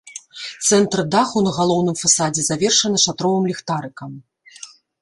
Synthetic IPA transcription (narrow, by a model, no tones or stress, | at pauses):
t̪sɛnt̪rd̪axunɐɣalˠɔwnɨmfasad͡zʲɛzavʲɛrʂɐnɐʂat̪ɾɔvɨmlʲixt̪aɾɨkɐm